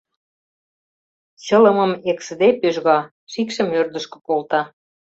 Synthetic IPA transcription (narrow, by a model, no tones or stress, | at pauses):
ɕɤ̆lə̆mə̆meksəd̪epøʒɣɑ | ʃikʃə̆mørd̪ə̆ʃkɤ̥̆kolt̪ɑ